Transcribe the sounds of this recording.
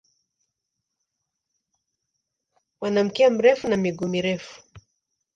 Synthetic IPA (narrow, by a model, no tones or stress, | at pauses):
wanam̩kɛam̩ɾɛfunamiɡumiɾɛfu̥